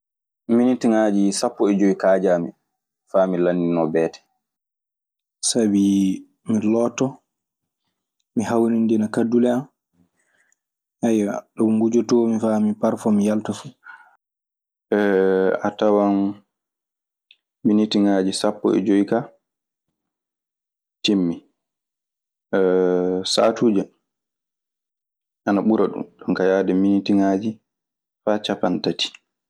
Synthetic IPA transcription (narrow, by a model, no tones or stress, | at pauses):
minitiŋad͡ʒisapːɔɛd͡ʒoikaːd͡ʒamḭ | faːmilanːinɔbɛːtɛ̥ | sabi | milɔːtɔ | miɦawnindinakadulɛan | ʔajaɗɔŋɡud͡ʒɔtɔmifamipaɾfɔmijaltafu | ɛatawan | initiŋad͡ʒisapːɔ̰ɛ̰d͡ʒoika | timːi | ɛsa̰ːtuːd͡ʒa | ʔanaɓuɾaɗṵmɗɔnkajadɛminitiŋad͡ʒi | faːt͡ʃapantatʰi̥